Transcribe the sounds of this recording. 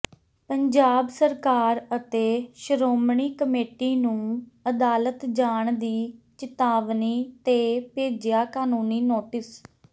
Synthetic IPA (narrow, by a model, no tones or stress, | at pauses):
pəɲd͡ʒaːbsəɾkaːɾət̪eːʃəɾoːmɳiːkəmeːʈiːnũːəd̪aːlət̪d͡ʒaːɳd̪iːt͡ʃɪt̪aːʋniːt̪eːpeːd͡ʒɪjaːkaːnũːniːnoːʈɪs